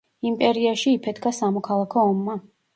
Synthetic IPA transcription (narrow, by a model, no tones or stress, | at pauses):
impʼɛɾiaʃiːpʰɛd̪ɡasamɔkʰalˠakʰɔːmːa